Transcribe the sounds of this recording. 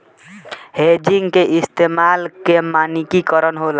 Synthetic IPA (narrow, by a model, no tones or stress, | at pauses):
hed͡ʒiŋɡkeʔist̪emalkemanikikɔɾɔnɦola